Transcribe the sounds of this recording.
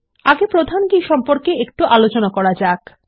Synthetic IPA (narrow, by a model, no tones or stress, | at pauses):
aɡepɾod̪ʱanɡiʃɔmpoɾkeek̚ʈuʔalot͡ɕonakɔɾad͡ʑak